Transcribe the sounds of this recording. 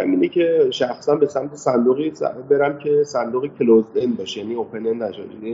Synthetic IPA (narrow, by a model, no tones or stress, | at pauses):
æ̰miːnecʰeʃæxsænbe̞sæmt̪ʰesænd̪uɣisbeɾæmcʰe̞sænd̪uːɣecʰelozd̪enbɒːʃjæniːopʰenend̪æʃɒ̰ʃni